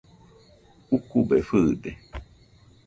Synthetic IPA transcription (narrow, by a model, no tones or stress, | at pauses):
ukubefɨde